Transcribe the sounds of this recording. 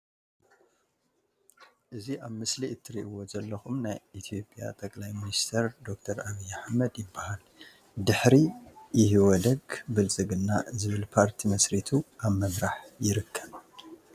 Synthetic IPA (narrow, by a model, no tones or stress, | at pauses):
ʔɨziʔaβmɨsliɨt̪ʰːɨɾiʔwo̞zɐlːɐxumnajit̪ʰio̞pʼja̰t̪ʼɐkʼlajminist̪ʰɐɾd̪o̞k̚t̪ʰɐɾaβijːaħmɐd̪jɪbːahal | d̪ɨħɾijɪɦiwɔd̪ɐɡbɨlt͡sʼɨɡɨnːazɨβɨlpʰaɾt̪ʰimɐsɾit̪ʰuʔaβmɐmɾaħjɪɾɨkʰːɐβ